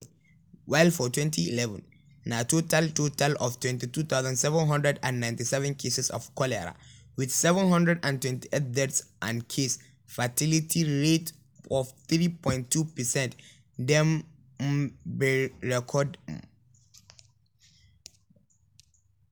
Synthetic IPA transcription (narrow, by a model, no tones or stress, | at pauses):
waɪlfɔtwɛ̃ntʰiḭlɛvə̰̃n | natotʰaltotʰalɔftʰwɛ̃ntituθaʊzãnsɛvə̃nɦʌ̃ndɹɛdã̰nːãj̃ntisɛvɛ̃nkʰesɛsɔ̰fkʰɔlɛɹa̰ | wiθsɛvə̃nɦʌ̃ndɹɛdãntwɛ̃ntiʔet̪̚dɛtsʔãnkʰes | fatilitʰiɹet | ɔfθɹipʰɔ̃ɪ̃ntʰːupɛsɛ̃nt | dɛ̃m | bɹɛkʰɔd